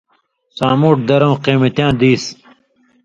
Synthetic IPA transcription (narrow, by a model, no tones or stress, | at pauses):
sãːmuːʈ̚d̪ɐɾɐ̃wqeːmet̪jãːd̪iːs